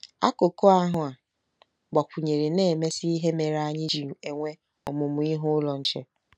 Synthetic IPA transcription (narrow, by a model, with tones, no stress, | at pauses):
a̰˦ko˨ko˦a˦ɦʊ˨a˨ | ɡ͡ba˨pʊ˨ɲe˨ɾe˨ne˦˨me˦si˦i˦ɦe˦me˨ɾa˦ɲɪ˦d͡ʒi˦˨u˨e˨ŋʷe˦ | ɔ˨mʊ˨mʊ˨i˦ɦʊ˦ʊ˦lɔ˨n̩˦t͡ʃe˦